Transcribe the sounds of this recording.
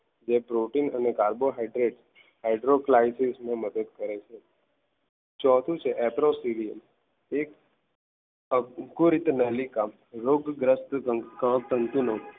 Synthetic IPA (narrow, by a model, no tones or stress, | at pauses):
d͡ʒepɾoʈinənekaɾboɦaiɖɾeɖ | hajɖɾoklaisismẽməd̪əd̪kəɾet͡ʃʰe | t͡ʃɔt̪ʰũt͡ʃʰeʔɛpɾosiɾijəm | ek | əɡuɾit̪nəlika | ɾoɡɡɾəst̪kə̃t̪ənt̪uno